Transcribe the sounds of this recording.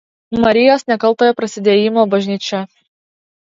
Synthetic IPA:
mɐɾʲɪjoːsnʲɛkɐlˠˑt̪oːjɛpɾɐsʲɪd̪ʲeːjɪmoːbɐʒʲnʲiːt͡ʃʲɛ

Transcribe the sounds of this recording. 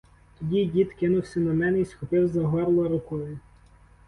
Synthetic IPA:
t̪ɔdʲidʲid̪kɪnʊwsʲɐnɐmɛnɛisxɔpɪwzɐɦɔɾlˠɐɾʊkɔjʊ

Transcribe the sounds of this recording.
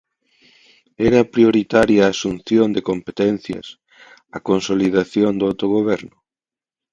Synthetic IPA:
ɛɾɐpɾioɾit̪aɾjaːsun̟θjond̪ekompet̪ɛn̟θjɐ̰s | ɐkonsoliðaθjond̪ʊawt̪oɣ̞oβ̞ɛɾnʊ

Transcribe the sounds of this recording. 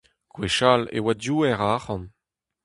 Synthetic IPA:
kweʃalḛwadjuːɛʁaχɑ̃n

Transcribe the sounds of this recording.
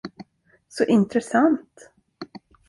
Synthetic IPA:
sɔʔɪnt̪ɾɛsant̪

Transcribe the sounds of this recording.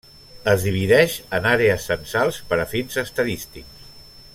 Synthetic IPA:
əzðiβiðɛʃənaɾeəsənsalˠspəɾəfinzəst̪əðist̪iks

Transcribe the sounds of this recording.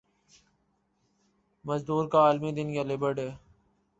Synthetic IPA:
məzd̪uːɾkaːlmid̪ɪnjalebəɾɖɦɛː

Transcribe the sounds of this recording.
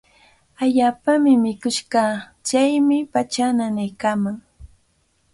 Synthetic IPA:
aʎaːpamɪmɪkʊʃɢɑ | t͡ʃajmɪpat͡ʃananajkaːmaŋ

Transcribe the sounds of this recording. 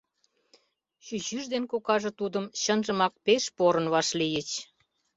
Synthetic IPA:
ɕyʑyʒd̪enkokɑʒɤ̆t̪ud̪əmɕənʒə̆mɑk̚peʃpoɾə̆nβɑʃlijət͡ɕ

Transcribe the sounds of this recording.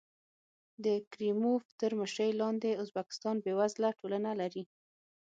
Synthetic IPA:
d̪əkɾimoft̪əɾməʃɾəjlɑnd̪eʊzbakɪ̥st̪ɑnbewazlaʈolanalaɾi

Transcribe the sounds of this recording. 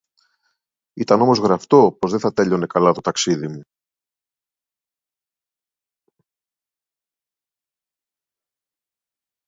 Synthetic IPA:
it̪ɐno̞mozɣɾɐft̪o̞po̞zðeθɐt̪e̞ʎo̞ne̞kɐlɐt̪o̞t̪ɐksiðimu

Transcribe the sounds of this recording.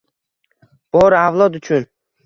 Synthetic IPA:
b̥ɒɾavlˠɒd̪ʊt͡ʃʰʊn

